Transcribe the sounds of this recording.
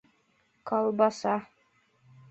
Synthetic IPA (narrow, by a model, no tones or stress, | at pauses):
kɑlˠbɑsɑ